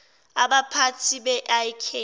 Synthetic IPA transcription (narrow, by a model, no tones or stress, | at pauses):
abapʰatʰibɛʔaikʰe